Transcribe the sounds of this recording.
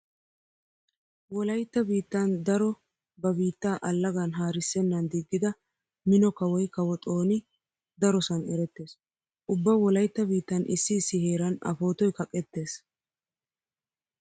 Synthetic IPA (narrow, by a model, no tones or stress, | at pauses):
wɔlɐjt̪ːɐbiːt̪ːɐnd̪ɐɾɔ | bɐbiːt̪ːaːʔɐlːɐɡɐnɦaːɾɪsːɛnːɐnd̪ɪɡːɪd̪ɐ | mɪnɔkɐwɔjkɐwɔt̪ʼo̞ːnɪ | d̪ɐɾɔsɐnɛɾɛt̪ːe̞ːs | ʔʊbːɐwɔlɐjt̪ːɐbiːt̪ːɐnʔɪ̰sːɪsːɪhe̞ːɾɐnɐ̰fo̞ːt̪ɔjkɐkʼːɛt̪ːe̞ːs